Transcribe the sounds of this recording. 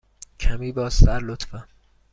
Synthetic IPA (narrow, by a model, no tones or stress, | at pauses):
kʰæmiːbɒːsæɾlot̪fæm